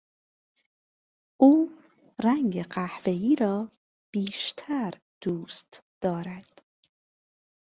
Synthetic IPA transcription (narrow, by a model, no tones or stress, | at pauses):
ʔuː | ræŋɡeɢæhve̞iːɾɒː | b̥iːʃt̪ʰæɾ | d̪̥uːst̪d̪̥ɒːɾæd̪̥